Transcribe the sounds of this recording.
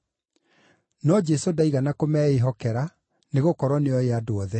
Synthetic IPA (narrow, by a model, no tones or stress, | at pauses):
nɔd͡ʒɛsodaiɣanakomɛːeɦɔkɛɾa | neɣokɔɾɔneɔjeadoɔðɛ